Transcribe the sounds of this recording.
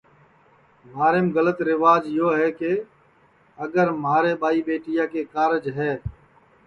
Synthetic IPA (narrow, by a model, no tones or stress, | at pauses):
maːɾeːmɣələt̪ɾɪʋaːd͡ʒɪjoːɦɛːke | əɡəɾmaːɾeːɓaːiːɓeːʈɪjãːkeːkaːɾəd͡ʒɦɛː